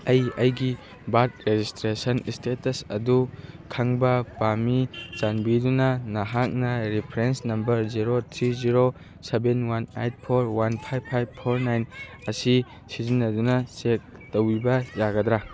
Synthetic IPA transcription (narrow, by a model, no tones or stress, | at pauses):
ɐjɐjɡi | bat̚ɾed͡ʒistɾesɐnistetɐsɐ̰dukʰaŋbɐbamit͡ʃanbidunɐnaɦak̚nɐɾipʰɾensnɐmbɐɾziɾot̪ʰɾiziɾo | sebenwanejt̚pʰoɾwanpʰajbʰajb̚pʰːoɾnajnɐsi | sizinːɐdunɐsek̚ | towibɐzaɡɐd̪ɾa